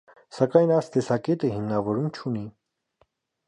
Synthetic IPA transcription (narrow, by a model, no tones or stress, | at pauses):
sɑkɑjnɑjst̪ɛsɑkɛt̪əhimnɑvɔɾumt͡ʃʰuni